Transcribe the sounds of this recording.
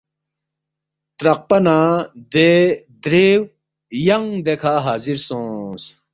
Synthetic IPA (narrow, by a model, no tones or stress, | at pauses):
t̪ɾɐq̚pɐnad̪e | d̪ɾeːw | jɐŋd̪ekʰaːɦaːziɾsõːs